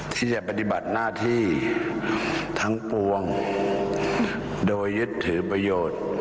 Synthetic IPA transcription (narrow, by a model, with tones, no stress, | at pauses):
t̪ʰiː˧˩t͡ɕa˨˧˩pa˧t̪i˧˩ba˨˩t̪̚naː˥˩t̪ʰiː˥˩ | t̪ʰa˦˥ŋpu˧əŋ | doː˧jːɯ˦˥t̪ʰːɯː˩˦pɾa˧joː˨˩t̪̚